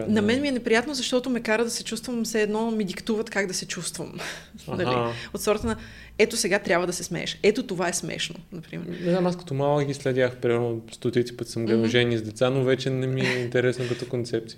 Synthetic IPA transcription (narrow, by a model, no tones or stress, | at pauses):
nɐmɛnmiɛnɛpɾijat̪nozɐʃt̪ɔt̪ʊmɛkaɾəd̪ɐsɛt͡ʃust̪vɐmsɛːd̪nɔmid̪ikt̪uvət̪kaɡd̪ɐsɛt͡ʃust̪vɐ̰manɐla̰ot̪sɔɾət̪ənɐ | ɛt̪osɛɡat̪ɾʲjabvəd̪ɐsɛsmɛ̰ɛ̰ʃɛt̪ot̪ovaɛsmɛ̰ʃno̰nɐpɾḭmɛ̰ɾnɛznamaskɐ̥t̪omalˠəɡʲislɛd̪ʲjaxpɾimɛɾnost̪ot̪it̪sʲi̥pət̪səmɡlɛʒɛnʲizd̪ɛt̪sanovɛt͡ʃɛnɛmiɛint̪ɛɾɛsnokɐt̪ɔkont̪sɛp̚t̪i